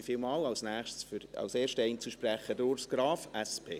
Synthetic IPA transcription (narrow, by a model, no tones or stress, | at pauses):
ifɪlmɑːlɑlsnæːχʃtsfɑ̰wseːʃtəɛɪnt͡suʃpɾæχədʊɾsɡ̥ɾɑːfɛspʰḛː